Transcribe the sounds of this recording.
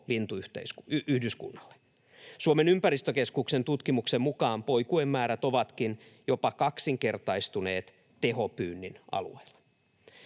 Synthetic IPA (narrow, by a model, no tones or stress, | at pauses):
lint̪uyht̪ḛsyhdyskṵnːɑlːe̥ | suome̞nympæɾist̪øke̞skukse̞nt̪ut̪kimuksemmukɑːmpo̞jkuemːæːɾæt̪o̞ʋɑt̪kinjo̞pɑkɑksiŋke̞rt̪ɑist̪une̞̰ːt̪ | t̪eɦo̞pyːnːinʔɑ̰lṵeilːe̥